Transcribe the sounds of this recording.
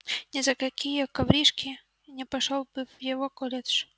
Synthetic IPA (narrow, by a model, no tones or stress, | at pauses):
nʲɛzɐkakʲijɐkavɾʲiʂkʲi | nʲɛpaʂɔlˠbɨwjaɣɔkɔlʲɛt̪ʂ